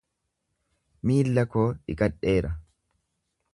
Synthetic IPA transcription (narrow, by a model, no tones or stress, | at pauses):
miːlːɐkoːᶑɪ̰kʼɐᶑeːɾɐ